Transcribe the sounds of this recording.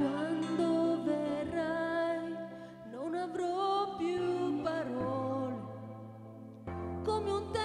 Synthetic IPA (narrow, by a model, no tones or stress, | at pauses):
wand̪overːaj | nonavɾɔpjupaɾɔle | komeunt̪ɛ